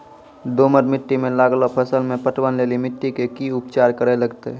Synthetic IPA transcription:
d̪oməɾmɪʈːimẽlaːɡlopʰəsəlmẽpəʈwənleːlimɪʈːikekiʊpt͡ʃaːɾkəɾeləɡt̪e

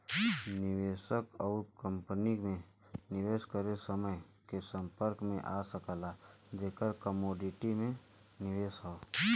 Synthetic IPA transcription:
nɪʋeːʃəkɔːɾkə̃mpənimẽ | nɪʋeːskəɾesəməj | kesə̃mpəɾkmḛ̃ʔaːsəkəla | d͡ʒeːkəɾkəmoːɖɪʈimẽ | nɪʋeːsɦao

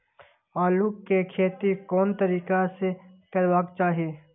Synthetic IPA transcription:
aːlukːekʰeːt̪ikɔːnt̪əɾiːkasekɐɾwaːkt͡ʃaːɦieː

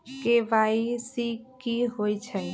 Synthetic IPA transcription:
keʋaisikːiɦoit͡ʃʰə

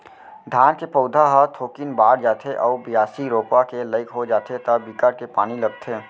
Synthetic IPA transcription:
ɖʱaːnkepɔːd̪ʱaɦət̪ʰoːkɪnbaːɽd͡ʒaːt̪ʰeʔɔːbɪjaːsiɾoːpakeləɪkɦod͡ʒaːt̪ʰet̪əbikəɾkepaːniləɡt̪ʰeː

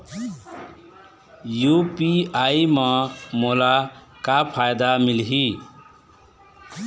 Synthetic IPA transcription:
jupiajmʌmola | kapʰajd̪amilɦi

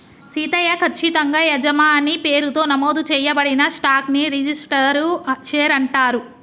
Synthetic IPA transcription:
siːt̪ɐjɐkʰɐt͡ʃːit̪ɐŋɡaːjɛd͡ʒɐmaːnipeːɾut̪o̞ːnɐmoːd̪ut͡ʃɛːjɐbɐɽinɐsʈaːkniɾid͡ʒisʈɐɾut͡ʃeːɾɐɳʈaːɾu

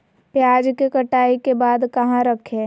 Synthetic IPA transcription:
pjaːd͡ʒkekɐʈaːikebaːd̪kɐɦãɾəkʰeː

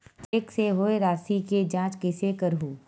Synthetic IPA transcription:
t̪eːkseɦoeɾaːsiked͡ʒãːt͡ʃkɪsekəɾɦuː

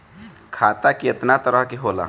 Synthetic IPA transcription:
kʰaːt̪akiet̪nat̪əɾəɦkeɦola̰

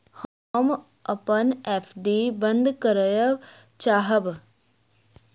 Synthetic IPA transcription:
hɔ | m | ɐpəneːpʰɖibɐ̃nd̪kəɾəjə | t͡ʃaːɦəb

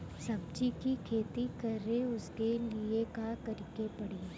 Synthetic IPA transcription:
sɐbd͡ʒikikʰeːt̪ikɐɾeʊskeliekakɐɾɪkepɐɽiː

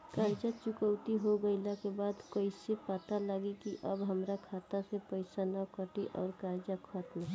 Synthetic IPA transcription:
kaɾd͡ʒat͡ʃʊkəwt̪iɦoɡəɪlakebaːd̪kəɪsepat̪alaɡikiʔəbɦəmɾakʰaːt̪asepəɪsanakəʈiʔɔːɾkaɾd͡ʒakʰət̪mɦɛ

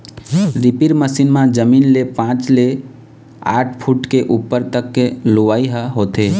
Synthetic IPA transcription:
ɾipiɾməsinmãd͡ʒəminlepãt͡ʃle | a̰ːʈʰpʰuʈkeʔupːəɾt̪əkːeloʋaːiɦəɦoːt̪e

